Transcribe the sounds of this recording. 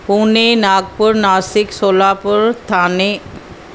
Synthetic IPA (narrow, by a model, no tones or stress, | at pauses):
puːnenaːɡ̚pʊɾnaːsɪksoːlaːpʊɾt̪ʰaːne